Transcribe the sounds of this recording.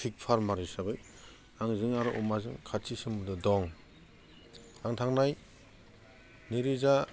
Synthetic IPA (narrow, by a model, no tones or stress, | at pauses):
tʰik̚pʰaɾmaɾisabɯj | aŋzɯŋaɾɔʔɔ̰mazɯŋkʰat͡ʃisɯŋmudɯdɔŋ | aŋtʰaŋnaj | niɾiza